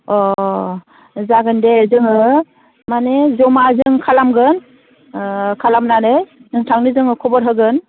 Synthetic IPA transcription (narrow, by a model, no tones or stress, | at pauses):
ɔ | zaɡɯndezɯŋɯ | manezɔmazɯŋkʰalamɡɯn | kʰalamnanɯjnɯŋtʰaŋnizɯŋɯkʰɔbɔɾɦɯɡɯn